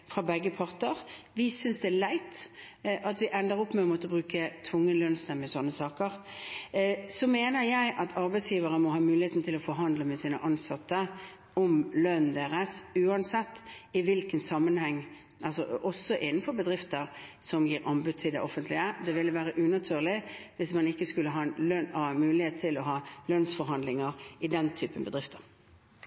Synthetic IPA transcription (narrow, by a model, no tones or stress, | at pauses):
fʁɑbɛɡːəpʰɑʁt̪əɾʋɪsʏnsd̪ɛælæɪt̪ʔɑt̪ʋɪʔɛnd̪əɾɔpːmɛɔmɔt̪əɔbʁʉːkət̪ʰʋʊŋːəlœnsnəmɛsɔnːəsɑːkəɾ | sɔmeːnəɾjæɪʔɑt̪ʰɑɾbæɪt̪sjiːʋəɾəmɔɦɑːmʉːlɪheːt̪n̩t̪ʰɪlɔfɔɾɦɑnd̪ləmɛsiːnə̰ʔɑnsɑt̪ːə | ɔmlœnd̪eːʁɛsʉːɑnsɛt̪ːɪʋɪlkənsɑmːənhɛŋː | ʔɑlsɔ̰ʔɔsːɔʔɪnːn̩fɔɾbəd̪ɾɪft̪əɾsɔmjiːɾɑmbʉːd̪̚t̪ʰɪld̪ɛ̰ʔɔfːənt̪lɪəd̪ɛʋɪləʋæːɾəʔʉnɑt̪ʰyːʁlɪʋɪsmɑnɪkːəskʉlːəɦɑːnlœhɑmʉːlɪheːt̪ʰːɪlɔɦɑːlœnsfɔɾɦɑnd̪lɪŋəɾɪd̪ɛnt̪ʰyːpənbəd̪ɾɪft̪ʰə̥ɾ